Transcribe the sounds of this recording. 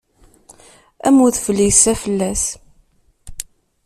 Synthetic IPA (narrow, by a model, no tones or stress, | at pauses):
æ̰muθfəlːisæfəlːæs